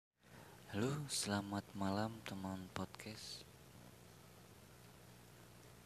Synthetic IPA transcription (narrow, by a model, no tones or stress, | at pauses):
hlusəlamat̪̚malamt̪əmanpɔt̪̚kʰɛs